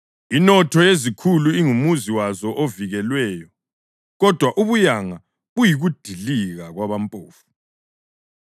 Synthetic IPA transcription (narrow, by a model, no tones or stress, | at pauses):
inɔtʰɔjezikʰuluiŋumuziwazɔʔoviɣɛlwɛːjɔ | ɣɔd̥ʱwaʔuβujaŋa | βujiɣud̥ʱiliɣaɣwaβampʼo̰ːfu̥